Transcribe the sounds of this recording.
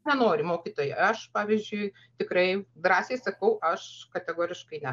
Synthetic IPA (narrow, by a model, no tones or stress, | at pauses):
nʲɛnoːɾʲɪmoːkʲiːt̪oːjɛɐʃpɑːʋʲizʲd͡ʒʲʊɪ | t̪ʲɪkrɐɪd̪ɾɑːsʲeɪsɐkɐʊʔɐʃkɐt̪ʲɛɡoːɾʲɪʃkɐɪnʲɛ